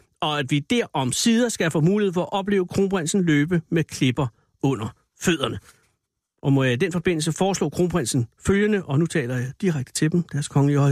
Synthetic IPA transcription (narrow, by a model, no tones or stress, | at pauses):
ɒ̽æd̥ʋid̥æɐʔɒ̽msiːð̞ˠɐsɡ̥æfɔ̰ːmuːlie̝̰fɒ̽æʔɒ̽b̥le̝ːʊəkʰʁo̝ːnb̥ʁan̰sn̩løːb̥əmekʰle̝b̥ɐ | ɔ̽n̰ɐ | føð̞̰ˠɐnə | ʔɒ̽mɔ̽jɑid̥enfɒ̽b̥e̝n̰l̩səfɒːslɔ̰ːkʰʁo̝ːnb̥ʁansn̩føljənəʔɒ̽nut͡sʰɛ̰ːlɐjɑ̈d̥iʁaɡ̥̚d̥ə̥t͡sʰe̝d̥emd̥æɐskʰɒ̽ŋəliəɒ̽